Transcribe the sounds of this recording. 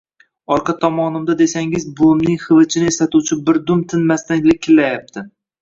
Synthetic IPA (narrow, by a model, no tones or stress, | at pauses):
ɒɾqʰɑt̪ʰɒmɒnɪmd̪ad̪e̞saŋɪzbomnɪŋχɨvɨt͡ʃʰɪnɪeslat̪uwt͡ʃʰɪbɪɾd̪ʊmt̪ʰɪnmast̪anɡʲlɪɪlːajap̚t̪ʰɪ